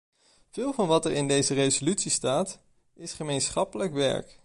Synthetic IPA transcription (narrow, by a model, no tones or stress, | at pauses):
v̥ɪːlˠvɑnʋɑtɛɹɪndejzərejzolytsistaːt | ɪsχəmejnsχɑpələkʋɛ̰ɹk